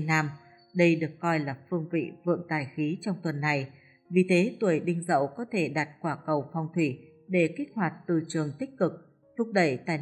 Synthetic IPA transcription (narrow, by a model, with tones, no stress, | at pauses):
nːaː˧m | ɗə˧jɗɨ˨˩əkːɔ˧jlaː˨˩fɨ˧əŋvḭ˧˨vɨ̰˧˨əŋt̪aː˨˩jxi˨˦t͡ɕɔ˧wŋ͡mt̪wə˨˩nːa˨˩j | vi˨˩t̪ʰe˨˦t̪wu˨˩əjɗï˧ŋ̟zə̰˧˨wkɔ˨˦t̪ʰe˧˩ɗa˨˩t̚kwaː˧˩kə˨˩wfɔ˧wŋ͡mt̪ʰwi˧˩ | ɗe˧˩ki˦˥k̟̚hwaː˨˩t̚t̪ɨ˧˨˩t͡ɕɨ˨˩əŋt̪ï˦˥k̟̚kɨ˨˩k̚ | t̪ʰʊ˦˥k͡p̚ɗə˧˩jt̪aː˧˩j